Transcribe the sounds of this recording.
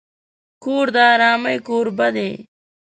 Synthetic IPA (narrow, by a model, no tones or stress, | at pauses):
kuːɾd̪aːɾaːmɐikuːɾbɐd̪eː